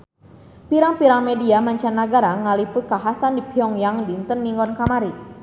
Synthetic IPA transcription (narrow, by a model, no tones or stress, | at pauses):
piɾaŋpiɾaŋmediamaɲt͡ʃanːaɡaɾaŋalipʊt̪̚kaɦasandibiɔŋjaŋdint̪ənːiŋɡɔnkamaɾi